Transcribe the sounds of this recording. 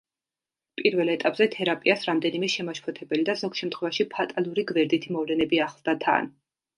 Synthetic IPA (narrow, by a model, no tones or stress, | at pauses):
pʼiɾvɛlˠɛt̪ʼapʼzɛt̪ʰɛɾapʼiasɾamd̪ɛnimɛʃɛmaʃpʰɔt̪ʰɛbɛlid̪azɔkʃɛmt̪χwɛvaʃipʰat̪ʼalˠuɾiɡvɛɾd̪it̪ʰimɔvlɛnɛbiaχlˠd̪at̪ʰa̰n